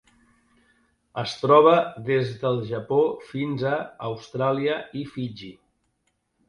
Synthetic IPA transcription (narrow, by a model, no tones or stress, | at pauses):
əst̪ɾɔβ̞əðezðəlˠʒəpofinzəːwst̪ɾaliəifid͡ʒi